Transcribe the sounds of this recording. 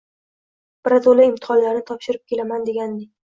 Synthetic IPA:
b̥ɪɾat̪olˠaɪmt̪ʰɪ̥χɒnlaɾnɪt̪ʰɒpʃɪɾɪp̚kʲe̞lamand̪e̞ɡʲand̪ɪ

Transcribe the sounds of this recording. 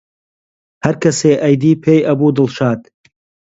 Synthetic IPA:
hɐɾkʰɐseːʔɐjd̪iːpʰeːjʔɐbuːd̪ɨlˠʃaːd̪

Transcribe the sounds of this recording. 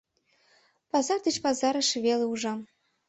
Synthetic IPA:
pɑzɑrd̪et͡ɕpɑzɑɾɤ̆ʃβeleuʒɑ

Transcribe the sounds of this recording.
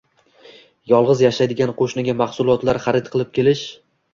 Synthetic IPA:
jɒlˠʁɨzjaʃajd̪ɪɡʲanqʰoʃnɪɡʲamaχsʊlˠɒt̪laɾχɑɾɪt̪̚qʰɨlˠɪp̚kʲʰe̞lɪʃ

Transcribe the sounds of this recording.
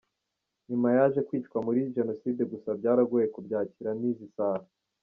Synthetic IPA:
ɲimajaʒe̞kwiːtkwamuɾiʒe̞no̞siːdeɡusabɟaːɾaɡujekubɟaːciɾaniːzisaːɾa

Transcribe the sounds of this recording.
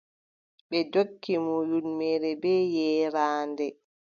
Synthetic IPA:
ɓɛd͡ʒokːimuːjunmɛɾɛbɛjɛːɾaːndɛ

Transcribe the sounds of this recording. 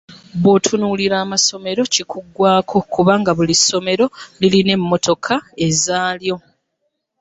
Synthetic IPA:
βotʰunuːliɾaːmaso̞me̞ɾo̞cikʰuɡːwaːkʰo̞kuβaːŋɡaβuliso̞me̞ɾo̞liline̞mːo̞tʰo̞kʰae̞zaːljo̞

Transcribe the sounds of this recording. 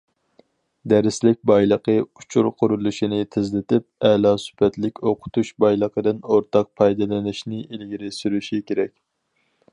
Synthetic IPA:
d̪ɛɾɪslɪk̚ʲbɑjlˠəqʰəut͡ʃʰuɾqʰʊɾulˠuʃinɪt̪ʰɪzlɪt̪ʰɪp̚ɛlˠɑːsy̥pʰɛt̪lɪkʲoqʰʊ̥t̪ʰuʃbɑjlˠəqəd̪ɨnoɾt̪ʰɑq̚pʰɑjd̪ɨlˠɪnɪʃnɪʔilɡʲiɾɪsyɾyʃikʲʰeɾɛkʲ

